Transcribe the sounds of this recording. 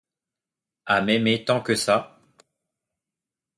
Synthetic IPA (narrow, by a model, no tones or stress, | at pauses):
amɛmet̪ɑ̃kəsa